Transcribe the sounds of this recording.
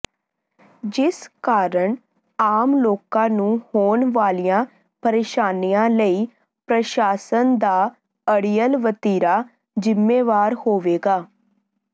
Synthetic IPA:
d͡ʒɪskaːɾəɳ | aːmloːkãːnũːhoːɳʋaːlijãː | pəɾeːʃaːnijãːləiː | pɾəʃaːsənd̪aː | əɽijəlʋət̪iːɾaː | zɪmːeːʋaːɾhoːʋeːɡaː

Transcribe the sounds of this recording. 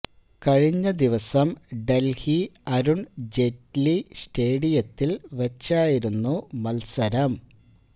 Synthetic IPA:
kɐɻiɲːɐd̪iʋɐsɐmɖelhiɐɾuɳd͡ʑetlisʈe̞ːɽijɐt̪ːilʋɐt͡ɕːaːjiɾunːumɐlsɐɾɐm

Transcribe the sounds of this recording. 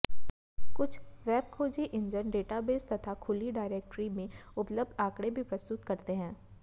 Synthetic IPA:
kʊt͡ʃʰʋɛːb̚kʰoːd͡ʒiʔɪ̃ɲd͡ʒənɖeːʈabeːst̪ɐt̪ʰakʰʊliɖaːɪɾeːk̚ʈɾimẽʊpləb̚d̪aːkɽebʱipɾɐst̪ʊt̪kɐɾt̪eɦɛ̃ː

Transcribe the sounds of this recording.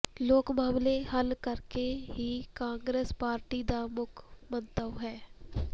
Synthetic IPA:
loːkmaːmlehɐlkəɾkeɦikãːŋɡɾeːspaːɾʈid̪amʊkʰmə̃nt̪əʋɦɛː

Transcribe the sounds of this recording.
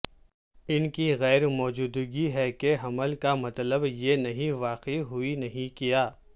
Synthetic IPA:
ɪnkiɣɛːɾmɔːd͡ʒuːd̪ɡiɦɛkeɦɐməlkamɐt̪ləbjenɐɦĩʋaːqeɦʊinɐɦĩkijaː

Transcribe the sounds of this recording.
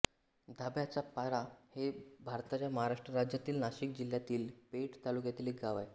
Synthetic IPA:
d̪ʱabjat͡ɕapaɾahebʱaɾt̪at͡ɕjaməɦaɾaʂʈɾəɾad͡ʑjat̪iːlnaɕiːkd͡ʑil̤jat̪iːlpeʈt̪alukjat̪iːlekɡaʋaj

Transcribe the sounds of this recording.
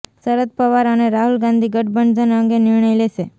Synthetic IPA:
səɾət̪̚pəʋaɾəneɾaɦulɡãnd̪ʱiɡəʈ̚bəɳd͡ʒənəŋɡenɪɾɳəjleʃe

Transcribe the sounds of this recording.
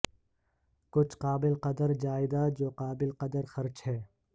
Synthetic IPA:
kʊt͡ʃʰqaːbɪlqɐd̪əɾd͡ʒaːɪd̪ad͡ʒoːqaːbɪlqɐd̪əɾxɐɾt͡ʃhɛː

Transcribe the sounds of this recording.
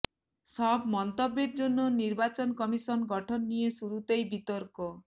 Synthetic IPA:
sɔbmɔnt̪obːeɾd͡ʒonːoniɾbat͡ʃɔnkɔmisɔnɡɔʈʰɔnːijesuɾut̪ejbit̪ɔɾkɔ

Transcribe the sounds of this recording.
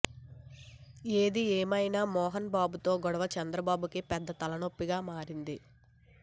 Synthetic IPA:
eːd̪ieːmɐjnaːmɔːɦɐnbaːbut̪o̞ːɡɔɽɐʋɐt͡ʃɛnd̪ɾɐbaːbukipɛd̪ːɐt̪ɐlɐno̞pːiɡaːmaːɾind̪i

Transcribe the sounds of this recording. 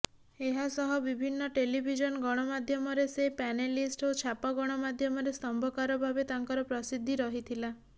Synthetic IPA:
eɦasɔɦɔbibʱinːɔʈelibʱid͡ʒɔnɡɔɽ̃ɔmad̪ʱjɔmɔɾesepɛnelisʈot͡ʃʰapɔɡɔɽ̃ɔmad̪ʱjɔmɔɾest̪ɔmbʱɔkaɾɔbʱabet̪aŋkɔɾɔpɾɔsid̪ʱːiɾɔɦit̪ʰila

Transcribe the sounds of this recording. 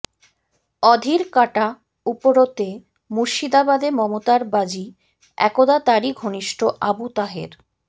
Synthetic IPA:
ɔd̪ʱiɾkaʈa | upoɾot̪e | muɾʃid̪abad̪emɔmot̪aɾbad͡ʑi | ɛ̰kod̪at̪aɾiɡʱoniʃʈoʔabut̪aɦḛɾ

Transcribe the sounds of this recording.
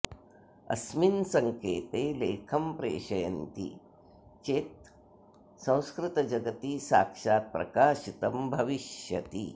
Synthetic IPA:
ɐ̰sminsɐŋkeːt̪eːleːkʰɐmpɾḛːʃɐjɐnt̪ḭ | t͡ʃeːt̪̚ | sɐ̃w̃skɾɪt̪ɐd͡ʒɐɡɐt̪isa̰ːkʂaːt̪̚pɾɐ̰kaːʃit̪ɐmbʱɐʋiʃjɐ̰t̪ḭ

